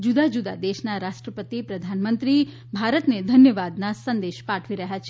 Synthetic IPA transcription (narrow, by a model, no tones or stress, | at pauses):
d͡ʒud̪ad͡ʒud̪a̰d̪eʃnaɾaʃʈɾəpət̪ipɾəd̪ʱanmənt̪ɾi | bʱaɾət̪ned̪ʱənjəʋad̪nasənd̪eʃpaʈʰʋiɾəɦjat͡ʃʰe